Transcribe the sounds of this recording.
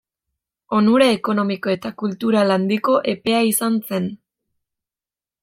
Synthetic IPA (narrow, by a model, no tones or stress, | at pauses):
o̞nuɾaeko̞no̞miko̞e̞t̪akult̪uɾaland̪iko̞ʔe̞pe̞aisanse̞n